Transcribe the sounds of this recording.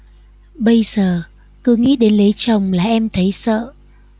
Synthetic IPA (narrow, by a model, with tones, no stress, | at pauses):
ɓə˧jzəː˨˩ | kɨ˨˦ŋḭ˧˥ɗe˨˦nle˨˦t͡ɕə˨˩wŋ͡mlaː˨˩ʔɛ˧mt̪ʰə˨˦jsə̰ː˧˨